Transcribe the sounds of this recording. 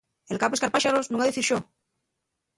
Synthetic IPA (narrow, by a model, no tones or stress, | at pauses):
elkaposkaɾpaʃaɾoznũŋaðeθiɾʃo